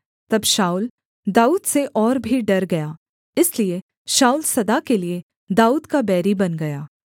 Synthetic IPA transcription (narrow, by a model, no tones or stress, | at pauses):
t̪ɐbʃaːul | d̪aːuːd̪seʔɔːɾbʱiɖɐɾɡɐjaː | ɪslie | ʃaːulsɐd̪akelie | d̪aːuːd̪kabɛːɾibɐnɡɐjaː